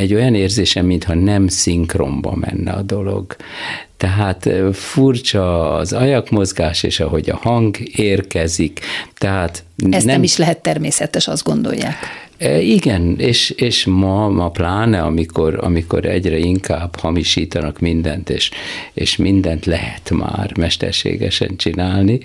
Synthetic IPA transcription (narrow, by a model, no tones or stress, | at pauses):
ɛɟːo̞jɒneːrzeːʃɛmːint̪hɒnɛmsiŋkro̰mbɒ̰mɛ̰nːɛ̰ɒd̪o̞lo̞̰ɡ | t̪ɛɦaːt̪furt͡ʃɒːzɒjɒkmo̞zɡaːʃḛːʃɒɦo̞ɟɒ̰hɒŋɡeːrkɛzikt̪ɛɦaːt̪ɛsnɛɛmiʃlɛɦɛt̪ːɛrmeːsɛt̪ɛʃɒzd̪ɡo̞nd̪o̞̰jːa̰ːk | iɡɛneːʃeːʃmɒmɒplaːnɛɒmikʰorɒ̰miko̞̰ɾɛ̰ɟrɛiŋkaːbhɒmiʃiːt̪ɒnɒkmind̪ɛnt̪eːʃeːʃmind̪ɛnt̪lɛɦɛt̪ma̰ːrmɛʃt̪ɛ̰rʃḛːɡɛʃɛ̰nt͡ʃinaːlni